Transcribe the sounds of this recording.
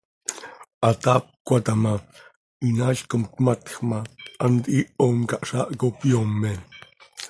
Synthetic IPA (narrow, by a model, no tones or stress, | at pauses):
at̪ap̚kʷat̪ama | inaʃkomt̪mat̪χmaʔant̪iʔomkaʔʃaʔkopjomːe